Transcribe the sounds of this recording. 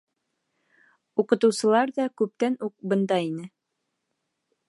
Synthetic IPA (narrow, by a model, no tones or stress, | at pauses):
uqɤ̆t̪ɤ̆wsɤ̆lˠɑɾðɑkʉp̚t̪ænuq̚bɤ̆nd̪ɑinɘ